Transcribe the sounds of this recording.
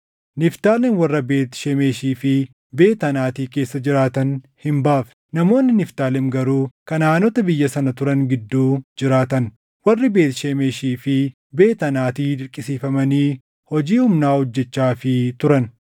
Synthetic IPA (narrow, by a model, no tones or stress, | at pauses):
nɪft̪aːlɛnwɐrːɐbe̞ːt̪ʃemeːʃiːfɪ | be̞ːt̪ɐnaːt̪iːke̞ːsːɐd͡ʒɪɾaːt̪ɐn | hɪmbaːfɛ̥ | nɐmo̞ːnːɪnɪft̪aːlɛmɡɐɾuːkɐnaːnɔt̪ɐbɪjːɐsɐnɐt̪ʊɾɐŋɡɪd̪ːuːd͡ʒɪɾaːt̪ɐn | wɐrːɪbe̞ːt̪ʃemeːʃiːfɪ | be̞ːt̪ɐnaːt̪iːd̪ɪɾkʼːɪsiːfɐmɐniː | hɔd͡ʒiːhʊmnaːhɔd͡ʒːɛt͡ʃːaːfɪt̪ʊɾɐn